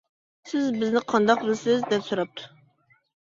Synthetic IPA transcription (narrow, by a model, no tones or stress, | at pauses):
sɪzbɪznɪqʰɑnd̪ɑqbɪlsɪzd̪ɛpsuɾɑp̚t̪ʰʊ̥